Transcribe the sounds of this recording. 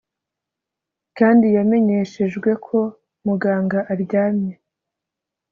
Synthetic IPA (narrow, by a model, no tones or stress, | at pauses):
kaːndijame̞ɲe̞ʃe̞ʒɡwe̞kʰo̞ | muɡaːŋɡaʔaɾɟaːmɲe